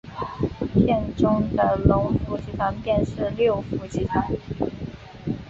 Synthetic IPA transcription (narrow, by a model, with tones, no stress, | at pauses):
tʰjɛ˥˩nʈ͡ʂʊ˥ŋd̪ə˨lʊ˧˥ŋfu˧˥t͡ɕi˧˥t̪ʰa˧˥npjɛ˥˧nʂɻ̩˥˧ljo˥˩ʊfu˧˥t͡ɕi˧˥t̪ʰa˧˥n